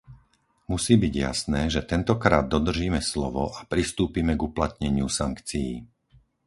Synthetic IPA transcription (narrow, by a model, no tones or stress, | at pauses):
musiːbiɟja̰snɛːʒɛt̪ɛnt̪ɔkɾaːd̪ːɔd̪r̩ʒiːmɛslɔʋɔ̰ʔapɾist̪uːpimɛɡuplat̪ɲɛɲɪusaŋkt͡sijḭː